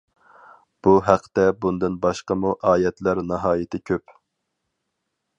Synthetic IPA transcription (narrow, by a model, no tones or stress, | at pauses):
b̥uɦæqʰːt̪ɛbund̪ɨnbɑʃqəmuʔɑːjɛt̪læɾnɑɦɑːjɪt̪ʰɪkʲʰøp